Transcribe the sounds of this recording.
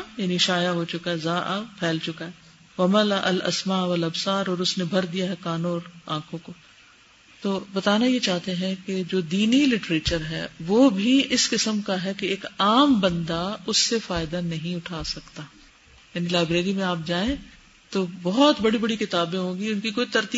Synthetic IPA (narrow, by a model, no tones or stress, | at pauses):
jaːniʃaːjaɦot͡ʃʊkaɦɛzaːʔapʰɛːlt͡ʃʊkaɦɛ | ʋɐmɐlaʔɐ̰lɐ̰smaːʋɐlɐbsaːɾɔːɾʊsnebʱɐɾd̪ijaɦɛkaːnoːɾãːkʰõko | t̪oːbɐt̪aːnajet͡ʃaːɦt̪eɦɛ̃ked͡ʒoːd̪iːnilɪʈɾeːt͡ʃəɾɦɛ̰ːʋobʱiɪskɪsəmkaɦɛkeeːkaːmbɐ̃nd̪aʊsːefaːɪd̪anɐɦĩʊʈʰaːsɐkt̪aː | jaːnilaːɪbɾeːɾimẽaːp̚d͡ʒaːẽ | t̪oːbɔɦɔt̪bɐɽibɐɽikɪt̪aːbẽɦõːɡiʊnkikoːit̪ɐɾt̪i